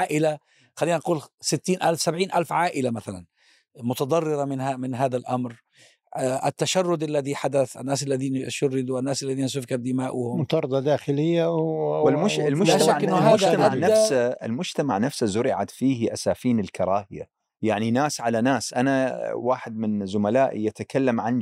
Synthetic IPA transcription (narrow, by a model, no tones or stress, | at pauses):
aːʔɪla | xalːiːnanquːlsɪt̪ːiːnʔalfsabʕiːnʔalfʕaːʔɪlamaθala̰n | mʊt̪ɑd̪ˤɑrˤːɪɾɑmɪnhamɪnɦaːðalʔamɾ | ʔɪt̪ːaʃarˤːʊd̪alːaðiħad̪aθɪ̰nːaːsalːaðiːnaʃʊrːɪd̪uɪnːaːsalːaðiːnasʊfkad̪ɪmaːʔʊhʊmmʊt̪ɑɾˤd̪ˤɑd̪aːxɪlɪjːawɪlmʊɪlmʊlaʃaːʔɪnːʊaːmʊd͡ʒt̪amaʕnafsaɪ̰lmʊd͡ʒt̪ama̰ʕnafsazʊɾɪʕa̰t̪fiːhʔasaːfiːnɪlkʰɑɾˤɑːhɪja̰ | jaʕninaːsʕalanaːsʔanawaːħɪd̪̚mɪnzʊmalaːʔjʔat̪akʰalːamʕan